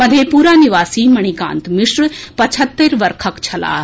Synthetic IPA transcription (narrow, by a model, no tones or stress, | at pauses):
pɐd̪ʱeːpuːɾaːniʋaːsiːmɐɽ̃ikã̰ːnt̪mɪʃɾpɐt͡ʃʰət̪ːeɾʋɐɾkʰəkt͡ʃʰɐla̰ː